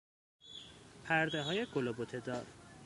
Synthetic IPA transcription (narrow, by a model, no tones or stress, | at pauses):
pʰæɾd̪eɦɒːje̞ɡolobot̪ʰed̪ɒːɾ